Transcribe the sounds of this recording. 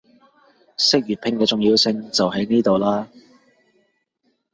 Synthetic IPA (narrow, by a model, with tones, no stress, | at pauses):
sɪ˥k̚jyː˨t̚pʰɪ˧ŋkɛː˧t͡sʊ˨ŋjiː˧wsɪ˧ŋt͡sɐ˨wɦɐ˨˥jniː˥t̪o˨wlaː˥